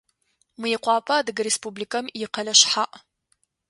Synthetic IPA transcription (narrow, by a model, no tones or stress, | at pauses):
mɨjɪqʷɑːpʰɐaːdɨɡɐɾespublikʰɐmjɪqɐlɐɕħaʔ